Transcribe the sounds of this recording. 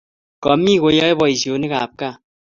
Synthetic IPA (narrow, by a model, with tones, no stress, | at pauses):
kɔ˨mi˦˨ko˨jɔ˦e˦bɔ˨i˨sjo˨ni˦ka˨p̚ka˦˨